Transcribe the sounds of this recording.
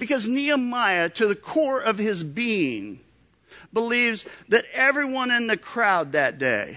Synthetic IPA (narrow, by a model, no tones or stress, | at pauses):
b̥ɨkʌzniɨmaɪɨɾɨðɨkʰɔɹʌv̥ɪzbiɪ̃ŋ | bəlivzðɨɾɛvɹiwʌ̃nɨ̃nðɨkʰɹ̥aʊd̪̚ðɨt̚d̥eɪ